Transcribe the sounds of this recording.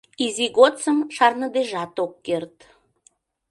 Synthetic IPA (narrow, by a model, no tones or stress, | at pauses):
iziɣot͡səmʃɑrnəd̪eʒɑt̪okːert̪